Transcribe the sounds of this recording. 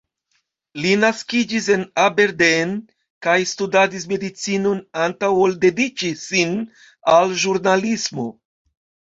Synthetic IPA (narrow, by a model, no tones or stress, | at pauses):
linaskid͡ʒis̬e̞nabe̞ɾden | kajstudadis̬me̞dit͡sino̞nantawolde̞dit͡ʃisin | alʒuɾnalismo̞̰